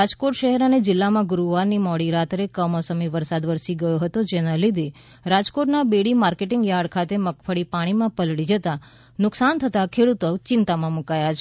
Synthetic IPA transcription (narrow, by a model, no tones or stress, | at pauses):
ad͡ʒkoʈʃəɦɛɾəned͡ʒɪlːamãɡʊɾuʋanimɔɽiɾat̪ɾekəmɔsəmiʋəɾsad̪ʋəɾsiɡəjoɦət̪od͡ʒenalid̪ʱi | ɾad͡ʒkoʈnabeɽimaɾkeʈɪŋɡjaɽkʰat̪eməkfəɽipaɽ̃imãpəlɽid͡ʒət̪a | nʊksant̪ʰət̪akʰeɽut̪ot͡ʃɪnt̪amãmukajat͡ʃʰe